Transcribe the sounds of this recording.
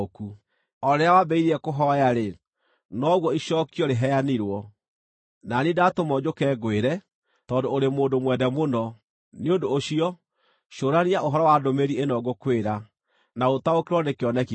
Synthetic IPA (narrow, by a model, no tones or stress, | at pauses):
oku | ɔɾeawabɛiɾiɛkoɦɔjaɾe | nɔɣwɔiɕɔːkiɔɾeɦɛjaniɾwɔ | nanedatomɔd͡ʑokɛːɡoeɾɛ | tɔːndoːɾemoːndomwɛdɛmonɔ | neondoːɕiɔ | ʃoɾaniaʔoɦɔɾɔwadomeɾienɔɡokweɾa | naotaokeɾwɔnekeɔnɛki